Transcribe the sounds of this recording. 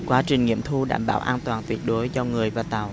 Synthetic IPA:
kwaː˨˦t͡ɕï˨˩ŋ̟ŋḭ˧˥əmt̪ʰu˧ɗa̰ː˧˩mɓa̰ː˧˩wʔaː˧nt̪waː˨˩nt̪wi˨˩ət̚ɗo˨˦jzɔ˧ŋɨ˨˩əjvaː˨˩t̪a˨˩w

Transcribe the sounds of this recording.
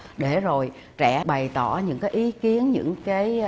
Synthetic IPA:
ɗe˧˩zo˨˩j | t͡ɕɛ̰˧˩˥ɓa˨˩jt̪ɔ˧˩ɲɨ̰˧˥ŋkaː˨˦jʔi˨˦ki˨˦ənɲɨ̰˧˥ŋkaː˨˦j

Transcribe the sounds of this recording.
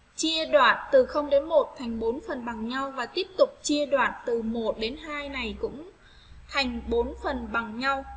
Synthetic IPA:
t͡ɕi˧əɗwaː˧˩˨nt̪ɨ˨˩xə˧wŋ͡mɗe˨˦nmo˨˩t̚t̪ʰa˨˩jŋ̟ɓo˨˦nfə˨˩nɓa˨˩ŋɲa˧wvaː˨˩t̪i˦˥əp̚t̪ʊ˨˩k͡p̚t͡ɕi˧əɗwaː˧˩nt̪ɨ˨˩mo˨˩t̚ɗe˨˦nɦaː˧jna˨˩jkʊ̰˧˥ŋ͡m | t̪ʰa˨˩jŋ̟ɓo˨˦nfə˨˩nɓa˨˩ŋɲa˧w

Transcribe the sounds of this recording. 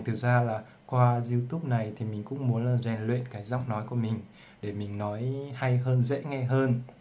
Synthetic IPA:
t̪ɨ˨˩zaː˧laː˨˩ | kwaː˧zi˧wt̪u˦˥p̚na˨˩jt̪ʰi˨˩mï˨˩ŋ̟kʊ̰˧˥ŋ͡mmu˨˦ənlaː˨˩zɛ˧˩nlwḭ˧˨nkaː˨˦jza˦˥wk͡p̚nɔ˨˦jku˧˩əmï˨˩ŋ̟ | ɗe˧˩mï˨˩ŋ̟nɔ˨˦jha˧jɦəː˧nzɛ̰˧˥ŋa˧jɦəː˧n

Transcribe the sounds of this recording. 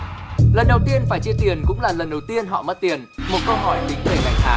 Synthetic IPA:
lə˨˩nɗə˨˩wt̪i˧ənfaː˧˩jt͡ɕi˧ət̪i˨˩ənkʊ̰˧˥ŋ͡mlaː˨˩lə˨˩nɗə˨˩wt̪i˧ənɦɔ̰˧˨mə˦˥t̚t̪i˨˩ənmo˨˩t̚kə˧wɦɔ˧˩jɗï˨˦ŋ̟ve˧˩ŋa˨˩jŋt̪ʰaː˨˦

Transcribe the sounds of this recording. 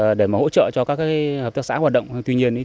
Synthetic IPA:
ɗe˧˩maː˨˩ho̰˧˥t͡ɕə̰ː˧˨t͡ɕɔ˧kaː˦˥k̚aː˦˥kːə˨˩p̚t̪a˦˥sa̰ː˧˥haː˨˩t̚ɗə̰˧˨wŋ͡mt̪wi˧ɲi˧ən˨˦

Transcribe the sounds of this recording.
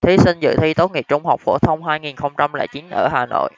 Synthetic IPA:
t̪ʰi˨˦sï˧ŋzɨ̰˧˨t̪ʰi˧t̪o˦˥t̚ŋi˨˩p̚t͡ɕʊ˧ŋ͡mha˨˩wk͡p̚fo˧˩t̪ʰə˧wŋ͡mɦaː˧jŋi˨˩nxə˧wŋ͡mt͡ɕa˧mlɛ̰ː˧˩t͡ɕi˨˦nʔəː˧˩haː˨˩no̰˧˨j

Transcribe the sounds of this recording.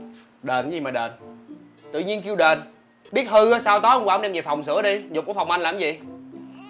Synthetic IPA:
ɗeː˨˩n˨˦zi˨˩maː˨˩ɗeː˨˩n | t̪ɨ̰˧˨ɲi˧nki˧əwɗeː˨˩n | ɓi˦˥ət̚hɨ˧˨˦saː˧wt̪ɔ˨˦ʔŋ͡mkwːŋ͡mɗɛ˧mzḭ˨˩fa˨˩wŋ͡msɨ̰˧˥əɗi˧zʊ˨˩k͡p̚kːfwŋ͡mʔa˧nlaː˨˩˨mzḭ˨

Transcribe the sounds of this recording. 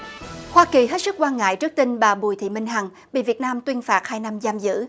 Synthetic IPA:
hwaː˧ki˨˩ɦe˦˥t̚sɨ˦˥k̚kwaː˧nŋa̰ː˧˨jt͡ɕɨ˦˥ək̚t̪i˧ŋɓaː˨˩ɓu˨˩jt̪ʰḭ˧˨mï˧ŋ̟ɦa˨˩ŋ | ɓḭ˧˨vət̚naː˧mt̪wi˧ənfaː˨˩t̚haː˧jna˧mzaː˧mzɨ̰˧˥

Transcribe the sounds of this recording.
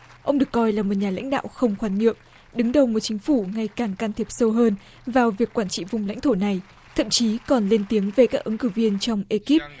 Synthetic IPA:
ʔə˧wŋ͡mɗɨ˨˩ə˩kːɔ˧jlaː˨˩mo˨˩t̚ɲaː˨˩la̰˧˥ŋ̟ɗa̰ː˧˨wxə˧wŋ͡mxwaː˨˦nɲḭ˧˨əm | ɗɨ˨˦ŋɗə˨˩wmo˨˩t̚t͡ɕï˨˦ŋ̟fu˧˩ŋa˧jkaː˨˩ŋkaː˧nt̪ʰi˨˩əp̚sə˧wɦəː˧n | vaː˨˩wvi˨˩əkːwaː˧˩nt͡ɕḭ˧˨vʊ˨˩ŋ͡mla̰˧˥jŋ̟t̪ʰo˧˩na˨˩j | t̪ʰə̰˧˨mt͡ɕi˨˦kɔ˨˩nle˧nt̪i˨˦əŋve˨˩kaː˦˥k̚ʔɨ˨˦ŋkɨ˧˩vi˧ənt͡ɕɔ˧wŋ͡mʔe˧ki˦˥p̚

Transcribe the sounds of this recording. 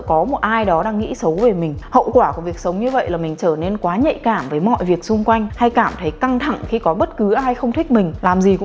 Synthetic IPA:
kɔ˨˦mo˨˩t̚ʔaː˧jɗɔ˨˦ɗaː˧ŋːḭ˧˥sə˨˦wve˨˩mï˨˩ŋ̟hə̰˧˨wkwaː˧˩ku˧˩vi˨˩ək̚sə˨˦wŋ͡mɲɨ˧və̰˧˨jlaː˨˩mï˨˩ŋ̟t͡ɕəː˧˩ne˧nkwaː˨˦ɲə̰˧˨jkaː˧˩mvəː˨˦jmɔ̰˧˨jvi˨˩ək̚sʊ˧ŋ͡mkwa˧jŋ̟ha˧jkaː˧˩mt̪ʰə˨˦jka˧ŋt̪ʰa˧˩ŋxi˧kɔ˨˦ɓə˦˥t̚kɨ˨˦ʔa˧˦ɦa˧jxə˧wŋ͡mt̪ʰi˦˥k̚mï˨˩ŋ̟laː˨˩mzi˨˩kʊ̰˧˥

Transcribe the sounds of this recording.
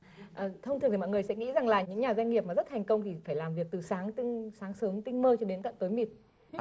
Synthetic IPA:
ʔəː˨˩t̪ʰə˧wŋ͡mt̪ɨ˨˩t̪ːmɔ̰˧˨˩ŋ˨˩ə˩jsɛ̰˧˥ŋḭ˧˥za˨˩ŋlaː˨˩ɲɨ̰˧˥ŋɲaː˨˩zwa˧jŋ̟ŋi˨˩əp̚ma˨˩zt̚t̪ʰɛ˨˩jŋ̟kə˧wŋ͡mt̪ʰi˨˩faː˧˩jlaː˨˩mvi˨˩ək̚t̪ɨ˨˩saː˨˦ŋt̪i˧ŋsaː˨˦ŋsəː˨˦mt̪ï˧ŋməː˧t͡ɕɔ˧ɗe˨˦nt̪a̰ː˧˨t̪oː˨˦jmi˨˩t̚

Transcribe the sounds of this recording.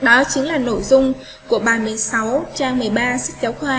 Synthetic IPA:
ɗɔ˨˦t͡ɕï˨˦ŋlaː˨˩no̰˧˩jzʊ˧ŋ͡m | ku˧˩əɓaː˨˩mɨ˨˩əjsa˨˦wt͡ɕaː˧ŋmɨ˨˩əjɓaː˧sɨ˦˥k̟̚t͡ɕa˨˦wxwaː˧

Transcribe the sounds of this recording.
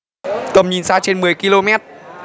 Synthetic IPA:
t̪ə˨˩mɲi˨˩nsaː˧t͡ɕe˧nmɨ˨˩əjki˧lo˧mɛ˦˥t̚

